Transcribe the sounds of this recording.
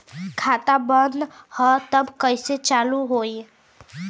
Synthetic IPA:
kʰat̪abənd̪hət̪əbkəjset͡ʃaluɦoj

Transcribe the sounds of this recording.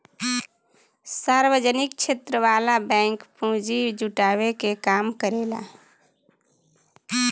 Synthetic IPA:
saɾwəd͡ʒənik̚t͡ʃʰet̪ɾəʋaːlabɛ̃ːŋkpũd͡ʒid͡ʒuʈaːwekekaːmkəɾeːla̰

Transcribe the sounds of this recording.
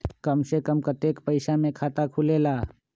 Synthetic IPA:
kəmsekəmkət̪ekpəɪsamẽkʰaːt̪akʰuleːlaː

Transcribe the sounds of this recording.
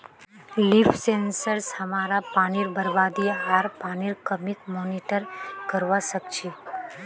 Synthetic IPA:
lifʰsensəɾshəmaɾapaːniɾbəɾbad̪iaɾpaniɾkəmikmoniʈəɾkəɾʋasəkt͡ʃʰi

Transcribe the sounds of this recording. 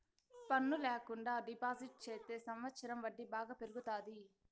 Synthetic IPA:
pɐnːulɛːkuɳɖaːɖipaːziʈ̚t͡ʃeːt̪eːsɐmʋɐt̪sɐɾɐmʋɐɖːibaːɡaːpeɾuɡut̪aːd̪i

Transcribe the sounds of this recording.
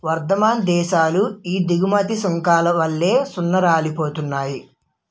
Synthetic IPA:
ʋɐɾd̪ɐmaːnd̪ɛːʃaːluiːd̪iɡumɐt̪isɐŋkaːlɐʋɐlːe̞ːsunːɐɾaːlipoːt̪unːaːji

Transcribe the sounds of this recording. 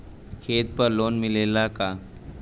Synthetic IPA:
kʰeːt̪̚pɐɾloːnmɪleːlakaː

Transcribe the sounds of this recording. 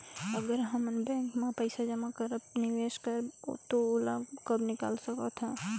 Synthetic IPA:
əɡəɾɦəmnbɛ̃ːŋkmẽpəɪsad͡ʒəmakəɾəpnɪʋeːʃkəɾ̰t̪oolakəbnɪka̰ːlsəkat̪ʰaː

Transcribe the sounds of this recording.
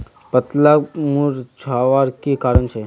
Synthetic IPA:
pət̪lamuɾt͡ʃʰaʋaɾkekaːɾəɳt͡ʃʰe

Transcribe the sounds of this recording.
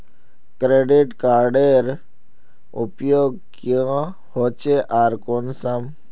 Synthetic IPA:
kɾeːɖiʈkaːɾɖeɾ | ʊpjoːɡ̚kjã | hoːt͡ʃeʔaːɾkoːnsəm

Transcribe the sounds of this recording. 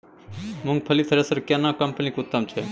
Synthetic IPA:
mʊ̃ŋɡ̚pʰəlit̪ʰəɾesəɾkenãkɐmpənikʊt̪ːəmt͡ʃʰe

